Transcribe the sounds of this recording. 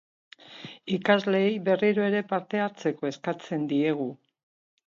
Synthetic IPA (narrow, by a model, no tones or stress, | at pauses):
ikazle̞jβe̞riɾoe̞ɾe̞paɾt̪e̞aɾt͡se̞ko̞e̞skat͡se̞nd̪ie̞ɣ̞u